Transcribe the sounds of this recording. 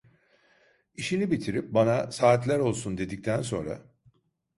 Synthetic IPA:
iʃinibit̪ʰiɾip̚banasaːt̪lʲæɾo̞lˠsund̪e̞d̪ic̚t̪ʰænso̞̰nɾa̰

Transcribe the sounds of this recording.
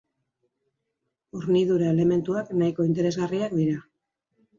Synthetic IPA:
uɾniðuɾae̞le̞me̞nt̪uaknajko̞int̪e̞ɾe̞zɣariak̚d̪iɾa

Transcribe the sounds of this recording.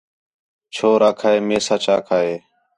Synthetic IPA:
t͡ʃʰoːɾaːkʰaːeːmeːsaːt͡ʃʰaːkʰaːeː

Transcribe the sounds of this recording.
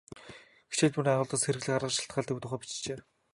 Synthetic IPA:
ɡe̥t͡ɕĕːɮt̪punaʁʊːɮt̪ə̆sxeɾɘ̆ɣɮɘ̆kχaɾʁə̆ʃḁɬt̪ɢaːɮt̪iut̪ʊ̆χœːpi̥t͡ɕt͡ɕeː

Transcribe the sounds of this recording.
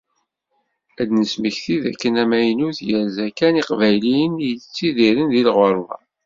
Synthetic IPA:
æd̪nəsməçθiðæ̰kːənæmæjnuθjəɾzækæniqvæjliənjət͡sːiðiɾənðilʁəɾˤwa̰

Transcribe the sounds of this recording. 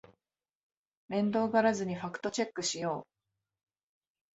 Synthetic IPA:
mẽ̞nd̪o̞ːɡaɾazɨɲ̟iɸakɯ̟̥t̪o̞t͡ɕe̞kːɯ̟ɕijo̞ː

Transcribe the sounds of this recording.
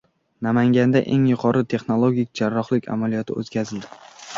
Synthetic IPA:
namaŋɡʲand̪aʔe̞ŋjʊqʰɒɾɪt̪ʰe̞χnolˠoɡʲik̚ʲd͡ʒaɾːɒχlɪkʲʰa̰malijɒt̪ʰɪo̰t̪kʲʰazɪld̪ɪ

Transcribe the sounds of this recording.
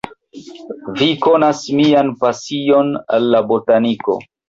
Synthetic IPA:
viko̞nasmianpasio̞na̰lːabotaniko̞̰

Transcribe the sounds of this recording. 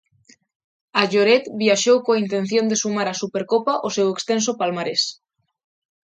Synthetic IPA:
aʝoɾet̪bjaʃowkoaint̪ẽ̞n̟θjo̞nd̪esumaɾasupeɾkopaʔosewekst̪ens̬opalmaɾes

